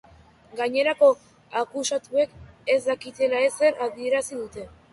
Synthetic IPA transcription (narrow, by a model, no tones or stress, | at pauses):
ɡaɲe̞ɾako̞ | akusat̪ue̞ke̞zd̪akit̪e̞lae̞se̞ɾaβie̞ɾasiðut̪e̞